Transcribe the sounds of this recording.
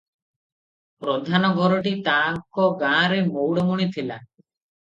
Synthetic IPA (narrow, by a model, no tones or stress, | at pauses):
pɾod̪ʱanɔɡʱɔɾɔʈit̪aŋkɔɡãɾemowɽɔmuɽ̃it̪ʰila